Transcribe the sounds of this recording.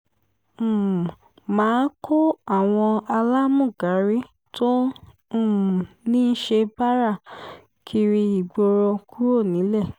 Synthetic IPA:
mãː˨˦kʰo˦a˦˨w̃ɔ̃˧a˧la˦mũ˦˨ɡa˨˦ɾi˦ | to˦˨ | nĩ˦n̩˦ʃe˧ba˦ɾa˦˨ | kʰi˧ɾi˧i˨ɡ͡bo˧ɾɔ˧ku˦ɾo˦˨nĩ˨˦lɛ˦˨

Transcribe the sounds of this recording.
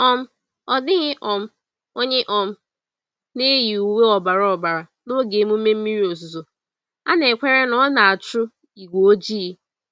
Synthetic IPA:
ɔ˦m̩˦ | ɔ˨dɪ˦ɣɪ˦ʔɔ˨m̩˦ | o˦ɲe˦ʔɔ˦m̩˦ | ne˦ji˨u˨we˦ɔ˨ba˨ɾa˨ɔ˨ba˨ɾa˨no˦ɡe˨˦mu˦me˦m̩˦mi˦ɾi˦o˨zu˨zo˨ | a˦ne˨kʷe˦ɾe˦nɔ˦na˨a˨t͡ʃʊ˦ | i˨ɡʷo˨o˦d͡ʒi˦i˦

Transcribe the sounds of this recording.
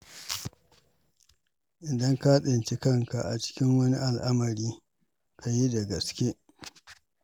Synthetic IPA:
ʔɪ˨dɐ˦ŋka˦ɗɪ˨nt͡ʃɪ˦kɐ˦ŋka˨ʔa̰˨t͡ʃɪ̥˦kʲɪ˦ŋwɐ˦ni˦ʔa˨lʔa˦mɐ˨ɾiː˦ | kʰa˨ji˦da˨ɡɐ˨skʲe˦ʔ

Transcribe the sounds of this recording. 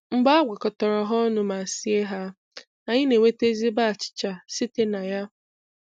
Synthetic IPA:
m̩˦ɡ͡ba˦a˦ɡʷa˨kɔ˨tɔ˨ɾɔ˨ɦɔ˦nʊ˦ma˨si˦e˦ɦa˦ | a˨ɲɪ˦ne˨ŋʷe˦te˦zi˦ba˦a˨t͡ʃɪ̥˨t͡ʃa˨sɪ˦te˦na˨ja˦

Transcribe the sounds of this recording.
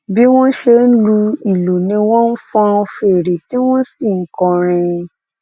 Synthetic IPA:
bi˦w̃ɔ̃˦ʃe˧n̩˦lu˧i˨lo˨nĩ˧w̃ɔ̃˦n̩˦fɔ̃˦˧fe˨ɾe˨ti˦w̃ɔ̃˦si˦˨ŋ̩˨˦kɔ̃˧ɾ̃ĩ˧

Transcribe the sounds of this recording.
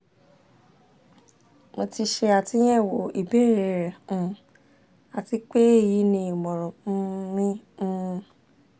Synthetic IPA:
mo˧ti˧ʃe˧a˨ti˨˦j̃ɛ̃˦˨wo˨i˨be˦˨ɾɛ˨ɾɛ̃˨ | a˨ti˧˦k͡pe˦e˦˨ji˨˦nĩ˧i˨mɔ̃˨ɾɔ̃˨˦mĩ˦˧

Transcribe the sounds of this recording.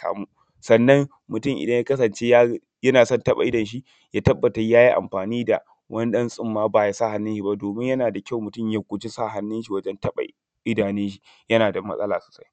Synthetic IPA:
kʰa̰ː˨mu˦ | sɐ˨nːɐ˦ŋ | mʊ˨tʊ˦˨ŋʔɪ̰˨dɐ˦ɲjaː˦kɐ˦sɐ˨nt͡ʃe˦ja˦ | jɐ˦naː˨sɔ˦˨ntɐ˦ɓa̰˨ʔɪ˦dɐ˨nʃ̬i˦ | jaː˦tɐ˦bːɐ˨ta˨jaː˦ji˦ʔa̰˨mɸaː˨niː˦da˨ | wɐ˦ni˦ɗɐ˦nsʼɪ˦mːaː˦baː˨ja˨sa˦˨ha˦nːɪ˦nʃi˨ba˦˨doː˨mɪ˦ɲjɐ˦naː˨da˨kʲa˦˨wmʊ˨tʊ˦˨mja˨kʷʊ˨d͡ʒi˦sa˦˨ɦa˦nːɪ˦nʃi˨wɐ˦d͡ʒɛ˦ntɐ˦ɓa̰˨ | ʔɪ˦daː˨nɪ˦nʃi˨ | jɐ˦naː˨dɐ˨mːɐ̰˦sʼɐ̰˦la̰ː˨su̥˨sa˦j

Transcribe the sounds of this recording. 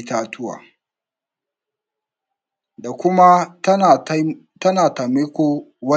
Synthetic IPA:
taː˨tʰʊ˦wa̰ː˨ | da˨kʷʊ˦ma˦˨˦ | tɐ˦naː˨ta˨mi˦kʷo˦wɐ˦

